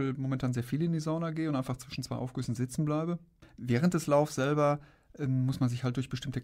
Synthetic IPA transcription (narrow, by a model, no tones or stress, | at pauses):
ɪlmomɛntʰaːnzeːɐfiːlɪndiːzaʊnɐɡeːəʊnʔaɪnfaχt͡sv̥ɪʃn̩t͡sv̥aɪʔaʊfɡ̥yːsn̩zɪt͡sn̩blaɪbəvɛːʁ̞ənt̚d̥ɛslaʊfsz̥ɛlbɐ | ʔɛmːʊsmanzɪçhalt̚d̥ʊɐçb̥əʃtɪmtə